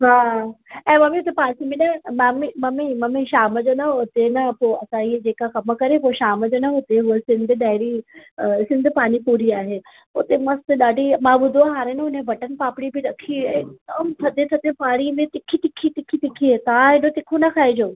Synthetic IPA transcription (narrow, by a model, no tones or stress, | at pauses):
ɦaːɛ̃ːmɐmiʊt̪epaːsimẽnɐmamimɐmimɐmiʃaːməd͡ʑoːnɐʊt̪enɐpoːɐsãied͡ʑeːkaxɐməkɐɾẽpoʃaːməd͡ʑonɐɦʊt̪eɦʊəsɪ̃nd̪ʱɗaːɪɾi | sɪ̃nd̪ʱpaːñipuːɾiaːɦe | ʊ̰t̪emɐst̪ɗaːɖʱimãːbʊd̪ʱoɦaːɾeneʊn̤ẽʋɐʈənpaːpɽibʱiɾɐkʰiɪk̚d̪əmt̪ʰɐd̪et̪ʰɐt̪epaːɽimẽt̪ɪkʰit̪ɪkʰit̪ɪkʰit̪ɪkʰiɦet̪aãɦɪnot̪ɪkʰonɐkʰaːed͡ʑoː